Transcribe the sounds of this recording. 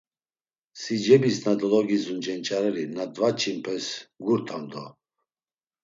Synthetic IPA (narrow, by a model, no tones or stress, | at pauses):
sid͡ʒɛbisnad̪ɔlɔɡizund͡ʒɛnt͡ʃʼaɾɛlinad̪vat͡ʃʰimpʰɛsɡuɾt̪ʰamd̪ɔ